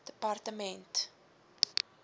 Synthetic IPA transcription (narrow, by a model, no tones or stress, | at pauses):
d̥əpartəmɛnt